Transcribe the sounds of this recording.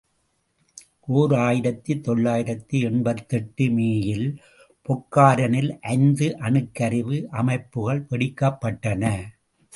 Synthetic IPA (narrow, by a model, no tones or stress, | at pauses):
ʔoːɾaːjɪɾɐt̪ːit̪ːɔɭːaːjɪɾɐt̪ːiɛɳbɐt̪ːɛʈːɯmeːjɪl | pɔkːaːɾɐnɪlʔɐɪnd̪ɯʔɐnɯkːɐɾɪʋɯʔɐmɐɪpːɯɣɐɭpɛɽɪkːɐpːɐʈːɐnɐ